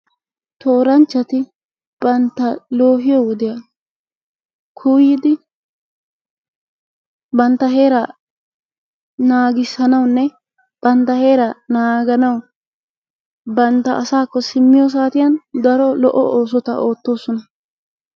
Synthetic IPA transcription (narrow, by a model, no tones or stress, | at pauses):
t̪ʰo̞ːɾɐnt͡ʃːɐt̪ɪ | b̥ɐnt̪ːɐlo̞ːɦɪjɔwɔd̪ɪja | kʰuːjɪd̪ɪ | bɐnt̪ːɐɦe̞ːɾɐ | naːɡɪsːɐnɐwnːɛ | b̥ɐnt̪ːɐhe̞ːɾɐnaːɡɐnɐw | bɐnt̪ːɐʔɐsaːkːɔsɪmːɪjɔs̬aːt̪ɪjɐnd̪ɐɾɔlɔʔːɔ̰ʔo̞ːs̬ɔt̪ɐ̰ʔo̞ːt̪ːo̞ːsːɔnɐ